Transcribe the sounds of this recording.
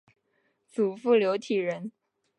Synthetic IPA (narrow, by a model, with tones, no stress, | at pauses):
t͡su˨˩fu˥˩ljo˧˥ʊt̪ʰi˨˩ɻə˧˥n